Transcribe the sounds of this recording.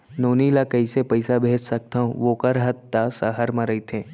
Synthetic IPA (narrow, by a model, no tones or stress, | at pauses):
noːnilakɐisepɐɪsabʱeːt͡ʃsɐk̚t̪aõʋoːkəɾɦət̪ːasəɦəɾmɐ̃ɾɐit̪ʰẽː